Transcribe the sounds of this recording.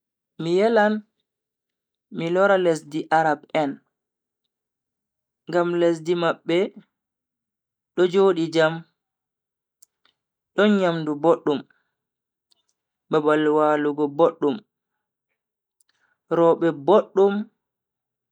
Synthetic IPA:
mijɛlan | milɔɾalesdiʔaɾabɛn | ŋɡamles̬dimaɓːɛ | ɗɔd͡ʒoːɗid͡ʒam | ɗɔnɲamduboɗːum | babalwaːluɡɔboɗːum | ɾɔɓɛboɗːum

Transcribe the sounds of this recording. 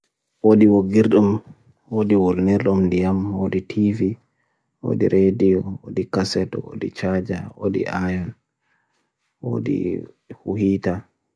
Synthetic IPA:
woɗiwoɡiɾɗum | wodiwolniɾɗumndijamwoɗitʰivi | wo̰dḭɾʔediɔwodikasɛtɔwo̰dit͡ʃad͡ʒawo̰dḭʔajɔn | wo̰dḭ | huhiːta

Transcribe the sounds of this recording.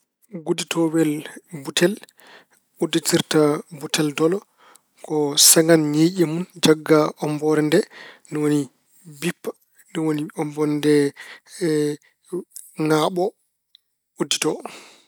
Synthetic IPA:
ɡuditʰɔwɛlbutʰɛl | udːitiɾtabutɛldɔlɔ | kɔsɛŋanɲejʔimund͡ʒaɡːaʔɔmbɔɾɛndɛnɔwoni | bipː | nɔwoniɔmbɔndɛ | ŋaɓɔ | udːitɔ

